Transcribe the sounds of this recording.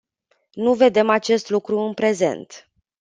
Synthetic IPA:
nuve̞d̪e̞mat͡ʃe̞st̪lukɾuɨnpɾe̞ze̞̰nt̪

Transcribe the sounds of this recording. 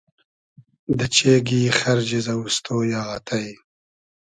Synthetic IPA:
d̪ət͡ʃeɡixaɾd͡ʒizawust̪ʰoːjaːɣat̪ʰaj

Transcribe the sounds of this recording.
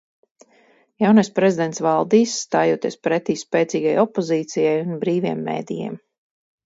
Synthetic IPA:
jawnajspɾɛzid̪ɛnt̪svalˠd̪iːsːt̪aːjoːt̪iɛspɾɛt̪iːspɛːt̪siːɡajɔpːɔziːt̪sijajunbɾiːviɛmːḛːd̪ijɛ̰ɛm

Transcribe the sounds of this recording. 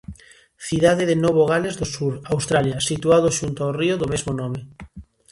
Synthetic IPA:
θiðaðeðenoβoɣ̞alezðosuɾawst̪ɾaljɐsit̪uaðoʃunt̪aorioðomezmonɔme

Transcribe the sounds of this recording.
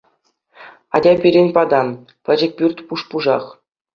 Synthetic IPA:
ɑ̰dʲɑpʲiɾʲenʲpɑd̪ɑn | pʲɘ̆d͡ʑɘ̆k̚ʲpʲyrʲt̪ʲpuʂpuʐɑ̰χ

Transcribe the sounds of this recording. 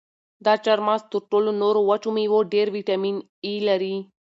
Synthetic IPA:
d̪at͡ʃɐɾmast̪uʈːolunoɾoʋɐt͡ʃumiʋoɖeːɾʋiʈɐmin | ilɐɾi

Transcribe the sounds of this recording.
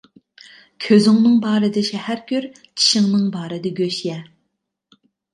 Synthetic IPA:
kʲʰøzyŋnɨŋbɑːɾɨd̪ɪʃɛhæɾkʲyɾ | t͡ʃʰi̥ʃɪŋnɨŋbɑːɾɨd̪ɪɡʲøʃjɛ

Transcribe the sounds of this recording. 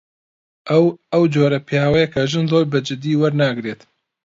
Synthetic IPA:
ʔwɐwd͡ʒoːɾɐpʰijaːwɛjɛkʰɐʒɨnzoːɾbɨd͡ʒɪd̪iːwɐɾnaːɡɨɾeːt̪

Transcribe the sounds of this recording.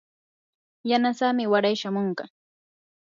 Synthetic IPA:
janasamɪwaɾajʃamoɴɢɑ

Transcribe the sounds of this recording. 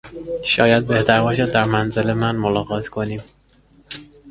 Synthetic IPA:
ʃɒ̰ːjæd̪̚be̞ht̪ʰæɾbɒːʃæd̪̚ːæɾmænzele̞mænmolɒːɣɒːt̪ʰkʰo̞niːm

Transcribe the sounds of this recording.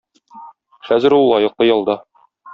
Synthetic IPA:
χæzɘ̆ɾulˠːɑjɤ̆qlˠɤjɒlˠd̪ɑ

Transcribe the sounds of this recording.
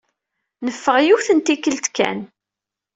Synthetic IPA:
nəfːəʁjuθənt̪ikːəlt̪kæ̰n

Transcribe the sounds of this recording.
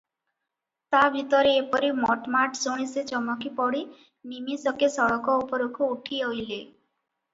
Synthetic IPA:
t̪abʱit̪ɔɾeːpɔɾimɔ̰ʈmaʈsoɽ̃iset͡ʃɔmɔkipɔɽi | nimisɔkesɔɭɔkɔupɔɾokʰɔuʈʰiojle

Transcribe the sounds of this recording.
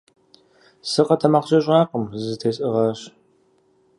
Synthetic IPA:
sɨqɐtʰɐmɐqɕʼɐɕʼɑːqəmzɨtʰeːɕʼɨʁɐɕ

